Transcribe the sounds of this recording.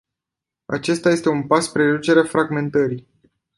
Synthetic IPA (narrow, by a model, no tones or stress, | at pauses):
a̰t͡ʃe̞st̪aje̞st̪e̞unpaspɾed̪ut͡ʃe̞ɾeafɾaɡme̞nt̪əɾi